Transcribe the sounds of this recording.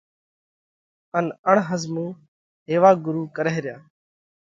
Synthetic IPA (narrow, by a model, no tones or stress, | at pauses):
ənəɳɦəzmũː | ɦeːʋaːɡʊɾuːkəɾeːɾɪjaː